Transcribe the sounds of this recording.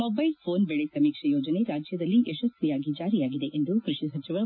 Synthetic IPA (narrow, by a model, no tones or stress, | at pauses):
mobɐjlpʰoːnbeɭesɐmiːkʂɐjoːd͡ʒɐne̞ɾaːd͡ʒjɐd̪ɐlːiʔeʃɐsjijaːɡid͡ʒaːɾijaːɡid̪e̞ʔend̪ukɾiʂisɐt͡ʃiʋɐ